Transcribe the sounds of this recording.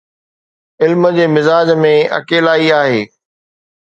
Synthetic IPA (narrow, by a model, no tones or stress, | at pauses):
ɪlmə̆d͡ʑeːmɪzaːd͡ʑmẽɐ̰keːlaːiaːɦeː